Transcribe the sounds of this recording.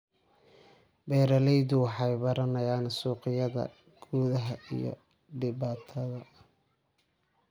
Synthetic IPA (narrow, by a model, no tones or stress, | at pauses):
bɛːɾɐlɛjðʊwɑħɑjbɐɾɐnɐjaːnsuːqɪjɐðɐ̰ | ɡ̥uːðɐɦɐʔḭjɔ̰ | ɖɪβaːt̪ʰɐðɐ